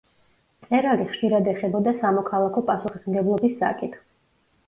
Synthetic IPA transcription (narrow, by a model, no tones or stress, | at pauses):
t̪sʼɛɾaliχʃiɾad̪ɛχɛbɔd̪asamɔkʰalˠakʰɔpʼasuχismɡɛblˠɔbisːa̰kʼit̪ʰχ